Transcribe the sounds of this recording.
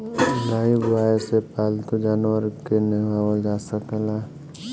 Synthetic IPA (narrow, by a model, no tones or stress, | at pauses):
laːibwaːesepaːlt̪ud͡ʒaːnwəɾkeneɦawold͡ʒaːsəkela